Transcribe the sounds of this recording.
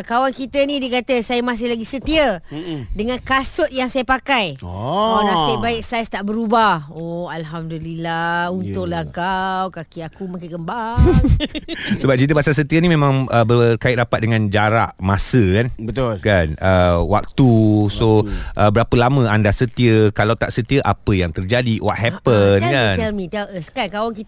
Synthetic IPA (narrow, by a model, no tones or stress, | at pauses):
kawankit̪ənidiəkat̪əsajəmas̬ɪhlaɡisət̪iədəŋãnkasʊt̪̚jaŋsajəpakajɔolasajbaɪksajst̪aʔbəɾubahoalɦamdulilaunt̪ʊʔlaŋkawkakiakumakakəmbaŋ | səbap̚t͡ʃit̪̬əbasals̬ət̪iənimẽmãŋəbəkaɪʔ̚ɾapat̪̚dəŋãnd͡ʒaɾa̰ʔmasəkanbət̪olkanəwa̰k̚t̪usoʔəbəɾapəlamə̃andasət̪iəkalawt̪aʔsət̪iəʔapəjaŋt̪ərd͡ʒadiwɔ̰t̪̚ɦɛpənkant̪ɛlmĩt̪ɛləskajkawaŋki